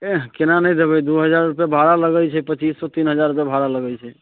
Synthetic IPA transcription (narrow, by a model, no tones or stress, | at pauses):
ekenanɛjd̪ebɛd̪uɦəd͡ʒaɾupɛbʱaɾaləɡəjt͡ʃʰɛpət͡ʃisːɔt̪inɦəd͡ʒaɾupebʱaɾaləɡəjt͡ʃʰɛ